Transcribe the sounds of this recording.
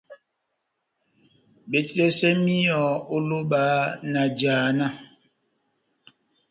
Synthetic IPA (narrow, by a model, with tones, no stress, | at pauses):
be˨t͡ʃe˦sɛ˦mi˦jɔ˨o˦lo˦ɓaː˨˦na˨d͡ʒaː˨na˦˨